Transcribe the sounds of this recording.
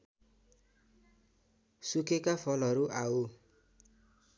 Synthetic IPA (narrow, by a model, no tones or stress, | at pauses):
sukekafʰɔlʌɾuʔao